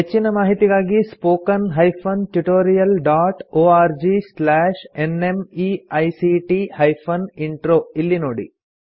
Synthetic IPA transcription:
ɦet͡ɕːinɐmaːɦit̪iɣaːɡispoːkɐnɦɐjpʰɐnʈuʈoːɾijɐlɖaːʈoːaːɾd͡ʒislaːʂenemiɐjsiʈihɐjpʰɐniɳʈɾoːilːinoːɽḭ

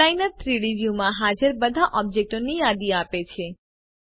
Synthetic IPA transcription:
ajnəɾt̪ʰɾiɽiʋjumãɦad͡ʒəɾbəd̪ʱaʔɔb̚d͡ʒek̚ʈonijad̪iapet͡ʃʰe

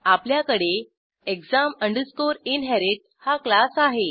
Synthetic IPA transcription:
apljakəɽe | ekzaməɳɖəskoɾinɦɛɾeʈ̚haklasaɦe

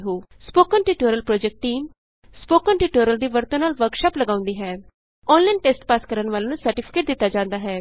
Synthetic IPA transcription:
ɦoːspoːkənʈiːʈoːɾəlpɾɔːd͡ʒɛk̚ʈːiːm | spoːkənʈiːʈoːɾəld̪iːʋəɾt̪õːnaːlʋəɾkʃaːpləɡãːʊ̃nd̪iːɦɛː | ɔːnlaɪnʈeːsʈpaːskəɾənʋaːlːnũːsəɾʈɪpʰɪ̥keːʈ̚d̪ɪt̪ːaːd͡ʒãːnd̪aːɦɛː

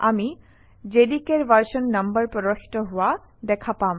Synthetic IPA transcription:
ami | d͡ʒedikeɹbaɹsɔnːambəɹpɔdaxi̥tɔɦʊwa | dɛkʰapam

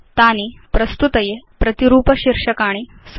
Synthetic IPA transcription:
t̪aːnipɾɐst̪ut̪ɐjepɾɐt̪iɾuːpɐɕiɾʂɐkaːɽ̃i | s

